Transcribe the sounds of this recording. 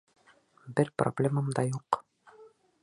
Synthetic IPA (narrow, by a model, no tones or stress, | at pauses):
bɘɾpro̰blʲeməmd̪ɑjuq